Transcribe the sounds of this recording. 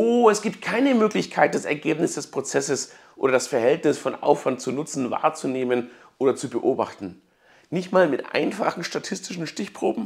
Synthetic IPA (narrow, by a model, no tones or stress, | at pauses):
ʔoːɛsɡ̥iːp̚t̚kʰaɪnəmøːklɪçkʰaɪt̚d̥asɛ̰ɐɡeːpnɪsd̥ɛspʁ̥ot͡sɛsəsʔo̰ːɾɐdasfɛɐhɛltnɪsfɔnʔa̰ʊfv̥ant̚t͡sunʊt͡sn̩va̰ːɐt͡suneːmən | ʔoːdɐt͡subəʔoːba̰χtn̩ | nɪçtmaːlmɪtʔa̰ɪnfa̰χn̩ʃtatʰɪstɪʃn̩ʃtɪçpʁ̥oːbm̩